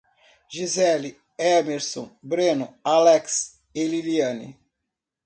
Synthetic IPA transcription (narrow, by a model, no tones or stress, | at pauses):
ʒizɛli | ɛmeɾsõ̰bɾẽnʊalɛks | eliliɐ̃nḭ